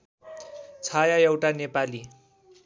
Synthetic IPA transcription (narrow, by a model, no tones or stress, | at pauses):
t͡sʰajaewʈanepali